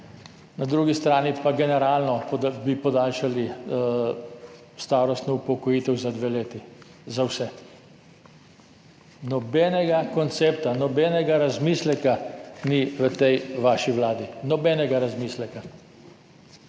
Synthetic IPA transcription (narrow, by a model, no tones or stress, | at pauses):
nad̪ɾuːɡist̪ɾaːnipaɡɛnɛɾaːlnɔp̪bipɔd̪aːlʃali | st̪aːɾɔst̪nɔupɔkɔjiːt̪ɛwzad̪ʋeleːt̪i | zawsɛ | nɔbɛːnɛɡakɔnt̪seːpt̪anɔbɛːnɛɡaɾazmiːslɛkaniʋət̪ɛjʋaːʃiʋlaːd̪inɔbɛːnɛɡaɾazmislɛka